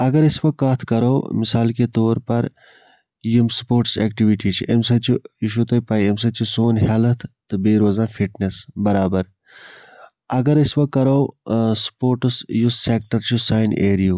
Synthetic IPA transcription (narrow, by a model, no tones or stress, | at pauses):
ɐɡɐɾisʋɐk̚kːaːt̪ʰkɐɾoːmisaːlket̪oːɾpɐɾ | jimspoːɾʈseːkʈiʋiʈit͡ʃʰiʔemsɐt͡ʃʰuiʃ̬ut̪ojpaːjems̬ɐt͡ʃʰisoːnɦɐlɐt̪ʰt̪ɨbeːɾoːzãːnfiʈnesbɐɾaːbɐɾ | ɐɡɐɾisʋɐkːɐɾowspoːɾʈɨsjussek̚ʈɐɾt͡ʃʰusaːjneːɾijuː